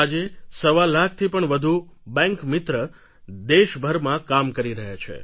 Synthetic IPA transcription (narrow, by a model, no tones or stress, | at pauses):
ad͡ʒesəʋalːak̚t̪ʰipəɳʋəd̪ʱubɛ̃ŋkmɪt̪ɾə | d̪eʃbʱəɾmãkamkəɾiɾəɦjat͡ʃʰḛ